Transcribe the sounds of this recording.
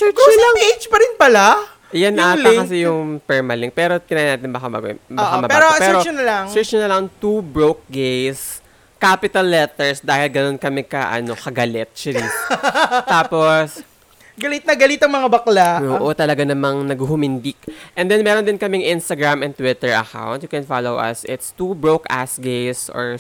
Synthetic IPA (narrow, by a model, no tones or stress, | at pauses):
sɛt͡ʃɐlaŋejd͡ʒpɐɾɪnpɐla | ʔjanːaaɛkɐs̬ɛjʊŋpɛɹmɐlɪŋpɛːɾo̞t̪ɪnaːjnaːt̪ɪnbɐkaɐ̰bɐkamɐbpɛɾopɛːɾonɐlaŋssɛt͡ʃʊnɐlɐŋt̪ubɹok̚ɡejs | kaːpɪt̪ɐlːɛt̪ɛɹsd̪aːhɪlɡɐno̞nkɐmɛkɐʔɐ̰no̞kɐɡɐlɛt̪̚t͡ʃɪɾi | t̪aːpos | ɡɐlit̪̚nɐɡɐlit̪ɐŋmɐŋabɐklaʔoːʔot̪ɐlɐɡanɐmaŋnɐɡuhʊmɪnd̪ɪk̚ʔɛnd̪ɛnmɛːɾond̪ɪnkɐmɛŋʔɪnst̪ɐɡɹamɛnt̪wɪt̪ɛɹɐ̰ka̰wnt̪jʊkɛnfalowʔɐ̰sɪt̪st̪ubɹoka̰sɡejso̰ɹ